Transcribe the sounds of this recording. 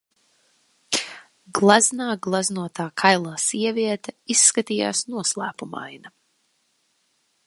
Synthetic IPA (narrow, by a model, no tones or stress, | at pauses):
ɡlˠaznaːɡlˠaznuɔt̪aːkʰajlˠaːsiɛvʲiɛt̪aisːkat̪iːja̰ːsnuɔslˠæ̰ːpuma̰jna